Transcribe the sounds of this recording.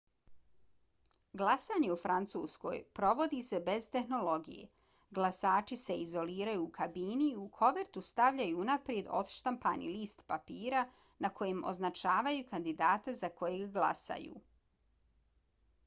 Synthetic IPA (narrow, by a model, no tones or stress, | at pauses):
ɡlˠasaːɲe̞ufɾant̪suːsko̞̰jpɾo̞ʋo̞d̪ise̞be̞z̥t̪e̞xno̞lo̞ɡḭjḛ | ɡlˠasaːt͡ʃise̞izo̞liːɾajuːkʰabiːniːukʰo̞ʋeɾt̪ust̪aʋʎajuːnapɾije̞d̪o̞̰d̪ʃt̪ampa̰nḭliːst̪papiːɾa | nakʰo̞jemo̞̰znat͡ʃaːʋajukand̪id̪aːt̪azako̞jeɡɡlˠa̰sa̰jṵː